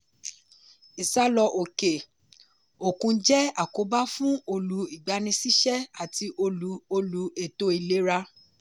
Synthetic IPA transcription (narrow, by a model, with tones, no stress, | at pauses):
i˨sa˦lɔ˧ʔo˨ke˨ | o˨kũ˧d͡ʒɛ˦a˦˨ko˨˦ba˦fũ˦o˧lu˧˦i˨ɡ͡ba˨˧nĩ˧si˦ʃɛ˦a˨ti˧ʔo˧lu˨˦o˧lu˨˧˦e˦˨to˦i˦˨le˨˦ɾa˧